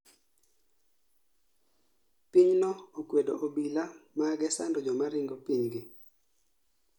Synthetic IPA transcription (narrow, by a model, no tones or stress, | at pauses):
piɲnɔokwedoʔobilamaɡɛsandɔd͡ʒɔmaɾɪŋɡopiɲɡɪ